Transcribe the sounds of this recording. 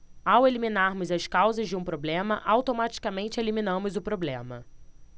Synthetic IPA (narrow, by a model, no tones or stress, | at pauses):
aweliminaɾmʊzɐskawzɐzd͡ʒɪũpɾoblẽmɐʔawt̪omat͡ʃi̥kamẽnt͡ʃɪeliminɐ̃mʊzʊpɾoblḛ̃mɐ̰